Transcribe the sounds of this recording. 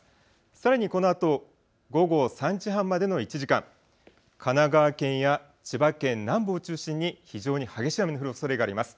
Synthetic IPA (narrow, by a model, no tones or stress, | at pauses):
saɾaɲ̟iko̞no̞at̪o̞ | ɡo̞ɡo̞sãɲd͡ʑiɦãmːad̪e̞no̞it͡ɕiʑikã̰ŋ | kʰanaɡaβːkẽ̞ɰ̃ja | t͡ɕibakẽ̞nnãmbo̞ːt͡ɕɨːɕĩɲ̟ːiçiʑo̞ːɲ̟ihaɡe̞ɕiame̞noɯɾɯoso̞ɾe̞ɡaːɾimasɨ̥